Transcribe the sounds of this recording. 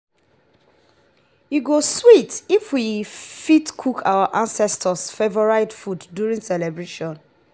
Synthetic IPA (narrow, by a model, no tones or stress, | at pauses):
iɡoswitifwifitkʰukʰawaʔãnsɛstʰəsfevɔɹaɪdfudːjuɹĩŋsɛlɛbɹeʃɔ̃n